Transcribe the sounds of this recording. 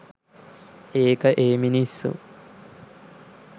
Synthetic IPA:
eːkəʔeːminisːṵ

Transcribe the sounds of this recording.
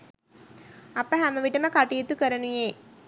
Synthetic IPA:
ɐpːɐɦɐmːɐʋiʈːɐmɐkɐʈːijet̪ːukɐɾɐnujeː

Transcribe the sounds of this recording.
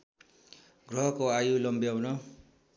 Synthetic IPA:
ɡrʌɦʌkoajulʌmbijawnʌ

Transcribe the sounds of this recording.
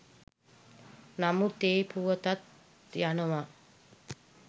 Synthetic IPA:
namut̪eːpuʋət̪at̪ | janəʋa

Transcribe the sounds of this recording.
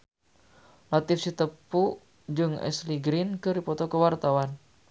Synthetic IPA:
lat̪ɪfsit̪əpu | d͡ʒɨŋɛ̰sliɡɾɪnkɨrdipɔt̪ɔkəwart̪awan

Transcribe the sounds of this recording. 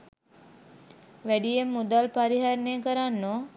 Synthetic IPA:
ʋæɖijemːud̪alpaɾiɦaɾnejəkəɾanːo

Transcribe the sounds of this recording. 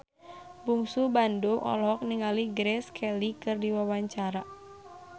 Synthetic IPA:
buŋsubanduʔɔ̰lɔk̚niŋaliɡɾɛskʰɛlikɨrdiwawaɲt͡ʃaɾa

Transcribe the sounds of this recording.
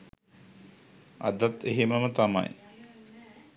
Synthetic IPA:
a̰d̪at̪eɦeməmət̪ama̰j

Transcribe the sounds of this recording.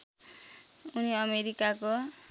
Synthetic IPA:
uniʌmeɾikako

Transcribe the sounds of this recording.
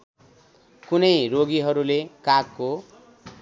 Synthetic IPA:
kunʌjɾoɡiɦʌɾulekakːo

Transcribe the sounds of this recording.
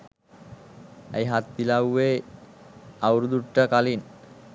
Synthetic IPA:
ə̰jɦat̪ːilawe | awɾud̪uʈːəkalin

